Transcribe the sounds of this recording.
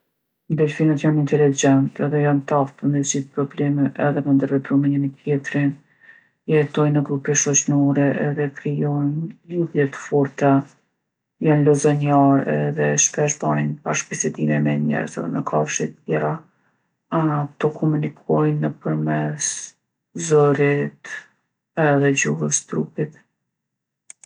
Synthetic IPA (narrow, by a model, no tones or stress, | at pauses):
nd̪ɛlfinət̪janint̪ɛlid͡ʒɛnt̪ɛðɛjant̪afpənəd͡ʑiθpɾɔblɛmɛʔɛðɛmənd̪əɾvɛp̪ɾɔmiɲənit̪jɛt̪ɾin | jɛt̪ɔjnəɡɾupiʃɔt͡ʃnɔɾɛʔɛðɛkɾijɔjnluðjɛt̪ə̥fɔɾt̪a | janlɔzɔɲaɾɛ̰ðɛʃpɛʃbaninbaʃbisɛd̪imɛmɛɲɛ̰ɾzə̰ɛnəkʰafʃit̪əjɛɾa | at̪ɔkʰɔmunikʰɔjnəpəɾmɛs | zɔɾit̪ | ɛðɛd͡ʑuɦəst̪ɾupit̪